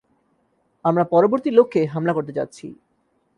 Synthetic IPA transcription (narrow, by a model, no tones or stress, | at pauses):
amɾapɔɾoboɾt̪ilokʰːeɦamlakoɾt̪̬et͡ɕa̰t̪ːɕʰḭ